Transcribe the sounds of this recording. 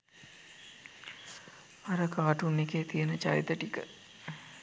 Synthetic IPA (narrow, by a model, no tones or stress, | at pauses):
ɐɾəkaːʈunːekeːt̪ijənət͡ʃait̪əʈikə